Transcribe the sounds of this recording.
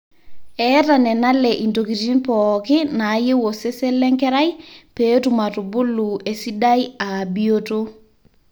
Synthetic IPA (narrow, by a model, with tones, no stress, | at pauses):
ɛ˦ta˨nɛ˨na˦lɛʔi˨nto˨ki˨ti˦npɔkɪ˦na˨˦je˦wo˨se˦se˦lɛ˦ŋkɛ˦ɾa˦jpe˦tuma˨tʊ˨bʊ˦lue˨si˦daja˨bioto˦